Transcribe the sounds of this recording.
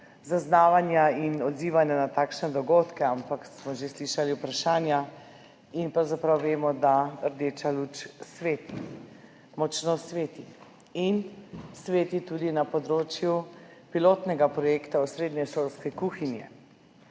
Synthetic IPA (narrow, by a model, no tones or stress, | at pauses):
zaznaːʋanjainɔd̪ziːʋanjanat̪aːkʃnɛd̪ɔɡoːt̪kɛampaksmɔʒesliːʃaliupɾaʃaːnja | inpɾawzapɾawʋeːmɔd̪aɾd̪eːt͡ʃalut͡ʃsʋeːt̪i | mɔt͡ʃnɔsʋeːt̪i | insʋeːt̪it̪uːd̪inapɔd̪ɾoːt͡ʃjupiloːt̪nɛɡapɾɔjekt̪ausɾeːd̪nɛʃoːlskɛkuːxinjɛ̰